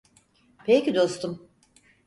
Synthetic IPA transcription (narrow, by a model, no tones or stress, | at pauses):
pʰecʲid̪o̞st̪ʰum